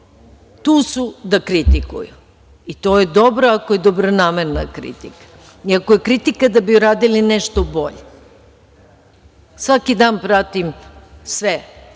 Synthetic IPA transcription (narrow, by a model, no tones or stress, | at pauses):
t̪uːsud̪akɾit̪ikṵju | it̪oːjed̪obɾoakoje̞d̪o̞bɾo̞naːmeɾnakɾḭt̪ḭkḁ | iakojekɾit̪ikad̪abiuɾaːd̪ilineʃt̪o̞bo̞̰ʎe | sʋakid̪aːnpɾat̪imsʋe